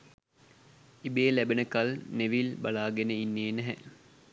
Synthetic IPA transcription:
ibeːlæbenəkalneʋilbalaːɡenəinːeːnɛɦɛ̰

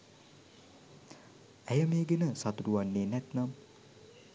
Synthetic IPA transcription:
æjəmeːɡenəsat̪uɾuʋanːeːnɛt̪nam

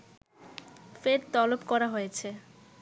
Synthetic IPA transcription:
feɾt̪ɔlopkɔɾaɦojet͡ɕʰe

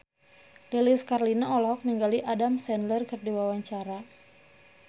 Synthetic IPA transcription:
liliskarlinaɔlɔɔk̚niŋɡaliʔadamsɛnlərkɨrdiwawaɲt͡ʃaɾa

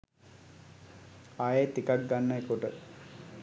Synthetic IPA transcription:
ajet̪ikak̚ɡanːeekuʈə

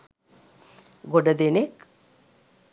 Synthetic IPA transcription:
ɡoɖɐd̪enek

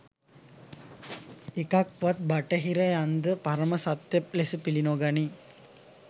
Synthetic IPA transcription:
ekak̚ʋat̪̚baʈəɦiɾajand̪əpaɾəməsat̪ːep̚lesəpilinoːɡani

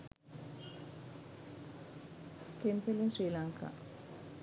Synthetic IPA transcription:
t̪ʰempelinsriːlaŋka̰ː

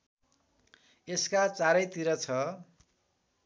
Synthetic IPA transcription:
eskat͡saɾʌjt̪iɾʌt͡sʰʌ

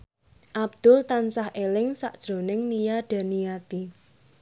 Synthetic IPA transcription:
ʔab̚d̪̥ʊlt̪ansahʔelɪŋsa̰ʔd̥ʒ̥ɾo̤nɪŋnijaɖ̥a̤nijat̪i

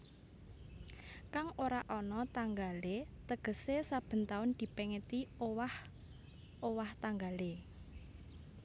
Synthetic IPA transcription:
kaŋoɾaʔɔnɔt̪aŋɡalet̪əɡ̥ə̤sesab̥ə̤nt̪aʊnd̪̥i̤pɛŋət̪iowah | ʔowaht̪aŋɡale

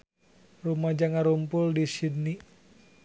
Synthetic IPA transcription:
rumad͡ʒaŋaɾumpʊldisidni

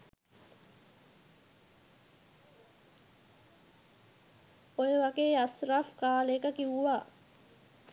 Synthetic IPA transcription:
ojeʋaɡeːɐsraːfkaːlekəkiʋuʋaː

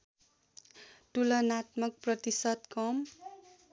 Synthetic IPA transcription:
ʈulʌnat̪mʌk̚prʌt̪isʌd̪kʌm

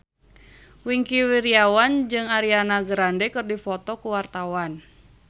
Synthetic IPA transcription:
wiŋkiwiɾiawand͡ʒɨŋaɾianaɡəɾandɛkɨrdifɔt̪ɔkuwart̪awan

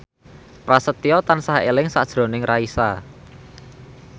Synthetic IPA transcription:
pɾasət̪iɔt̪ansaɦelɪŋsad̥ʒ̥ɾo̤nɪŋraisa̰

